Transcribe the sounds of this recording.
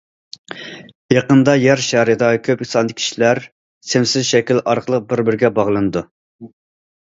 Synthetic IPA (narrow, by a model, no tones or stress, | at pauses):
jɑqənd̪ɑjæɾʃæɾɪd̪ɑkʲʰøpisɑnd̪ɨkʲʰi̥ʃilæɾ | sɪmsɪzʃɛkʲilɑɾqʰəlˠəq̚bɪɾbɪɾɡʲɛbɑʁlˠɨnɨd̪u